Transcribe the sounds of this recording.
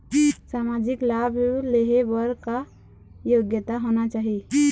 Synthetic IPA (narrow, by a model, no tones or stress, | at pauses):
saːmad͡ʒɪklabʱjuleɦebəɾka | joɡjət̪aɦonat͡ʃaːɦi